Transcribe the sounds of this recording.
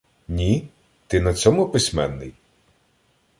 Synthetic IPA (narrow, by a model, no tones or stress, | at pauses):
nʲi | t̪ɪnɐt͡sʲɔmʊpɪsʲmɛnːɪj